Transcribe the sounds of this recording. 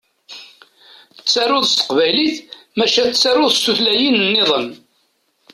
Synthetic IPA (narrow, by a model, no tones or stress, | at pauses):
t͡sːaɾʊðˤst̪ə̥qvæjliθmæʃæt͡sːaɾʊðˤsuθlæjinnːeðˤən